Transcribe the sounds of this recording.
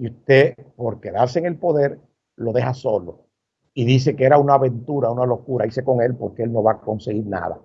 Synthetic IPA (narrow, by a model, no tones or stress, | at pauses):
iust̪e̞po̞ɾke̞ðaɾseŋe̞lpo̞ðe̞ɾ | lo̞ðe̞haso̞lo̞ | iðis̬e̞keeɾaunaβẽ̞nt̪uɾaunalo̞kuɾaise̞ko̞ŋe̞lpo̞ɾkeelno̞βako̞nseɣiɾna̰ða̰